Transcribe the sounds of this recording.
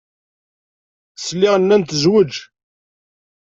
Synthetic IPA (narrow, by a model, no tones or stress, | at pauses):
slːiʁənːænt̪əzwəd͡ʒ